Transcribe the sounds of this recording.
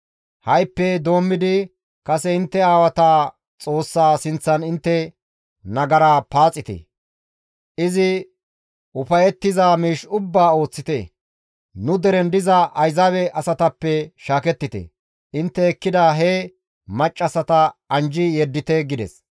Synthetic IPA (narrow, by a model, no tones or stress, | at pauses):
hɐjpːɛd̪o̞ːmːɪd̪ɪ | kɐsɛɪnt̪ːɛaːwɐt̪aː | t͡sʼo̞ːsːaːsɪnt͡sːɐnɪnt̪ːɛ | nɐɡɐɾaːpaːt͡sʼːɪt̪ɛ̰ | ʔɪzɪ | ʔʊpɐjɛt̪ːɪzaːmiːʃʊbːaːo̞ːt͡sːɪt̪ɛ̰ | nʊd̪ɛɾɛnd̪ɪzɐʔɐjzawɛʔɐsɐt̪ɐpːɛʃaːkɛt̪ːɪt̪ɛ̰ | ʔɪnt̪ːɛːkːɪd̪aɦɛ | mɐt͡ʃʼːɐsɐt̪ɐɐnd͡ʒɪjɛd̪ːɪt̪ɛɡɪd̪ɛ̰s